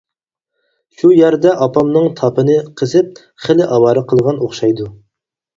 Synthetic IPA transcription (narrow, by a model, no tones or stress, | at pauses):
ʃujæɾd̪ɛʔɑpɑmnɨŋt̪ʰɑpɨnɨqʰəzɪp̚ | χəlɪʔɑwɑːɾɨqʰəlˠʁɑnoχʃɑjd̪u